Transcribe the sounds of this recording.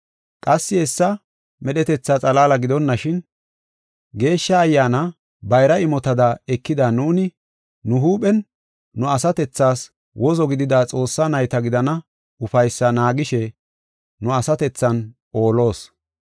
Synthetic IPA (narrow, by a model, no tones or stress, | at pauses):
kʼɐsːɪɛsːɐ | mɛɗɛt̪ɛt͡sːɐt͡sʼɐlaːlɐɡɪd̪ɔnːɐʃɪn | ɡe̞ːʃːɐːjːaːnɐ | bɐjɾɐɪmɔt̪ɐd̪ɐɛkːɪd̪anuːnɪ | nʊɦuːpɛnː | ʊɐsɐt̪ɛt͡sːaːs | wʔɔzɔɡɪd̪ɪd̪at͡sʼo̞ːsːɐnɐjt̪ɐɡɪd̪ɐnɐ | ʊfɐjsːɐnaːɡɪʃɛ | nʊɐsɐt̪ɛt͡sːɐn | o̞ːlo̞ːs